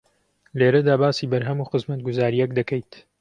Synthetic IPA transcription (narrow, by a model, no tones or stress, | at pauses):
leɾɐd̪aːbaːsiːbɐɾɦɐmuːxɨzmɐt̪̚ɡʊzaːɾijɛkd̪ɐkʰejt̪